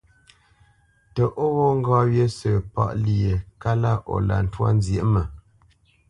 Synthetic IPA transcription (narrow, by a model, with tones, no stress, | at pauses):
tə˨ʔo˦wo˦ŋ̩˦ɡɔ˦ɥje˦sə˨pa̰˦˨ʔli˨e˨ka˦la˦ʔo̰˨la̰˨n̩˦twa̰˦n˦zje˨˦ʔmə˨